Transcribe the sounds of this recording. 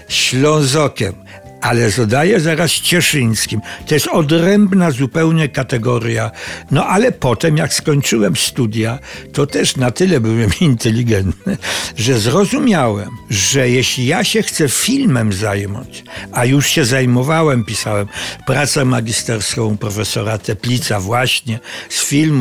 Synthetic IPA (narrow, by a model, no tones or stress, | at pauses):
ɕlɔ̃w̃zɔkʲɛm | alɛzɔd̪ajɛzaɾast͡ɕɛʂɘɲskʲimt̪ɔjɛst̪ɔd̪ɾɛmbnazupɛwɲɛkat̪ɛɡɔɾʲjanɔʔalɛpɔt̪ɛmjakskɔɲt͡ʂɘwɛmst̪ud̪ʲjat̪ɔt̪ɛʂnat̪ɘlɛbɘwɛmint̪ɛlʲiɡɛnt̪nɘʐɛzɾɔzumʲjawɛmʐɛjeɕlʲijaɕɛxt̪sɛfʲilmɛmzajmɔ̰t͡ɕajuʂɕɛzajmɔvawɛmpʲisawɛmpɾat̪sɛmaɡʲist̪ɛɾskɔ̃w̃pɾɔfɛsɔɾat̪ɛpʲlʲit̪savwaɕɲɛsfʲilmu